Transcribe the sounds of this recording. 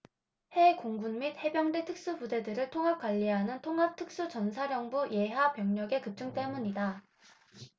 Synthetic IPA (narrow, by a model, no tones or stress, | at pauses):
he̞koŋɡunmid̚he̞bjʌŋde̞tʰɯk̚s͈upude̞dɯɾɯɭtʰoŋɦap̚k͈waʎːiɦanɯntʰoŋɦap̚tʰɯk̚s͈ut͡ɕʌnsʰaɾjʌŋbuje̞ɦapjʌŋɲʌɡe̞kɯp̚t͡ɕ͈ɯŋt͈e̞muɲida